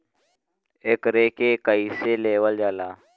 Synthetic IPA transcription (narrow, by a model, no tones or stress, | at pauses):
ekɾeːkeːkəiːseleːwəld͡ʒaːlaː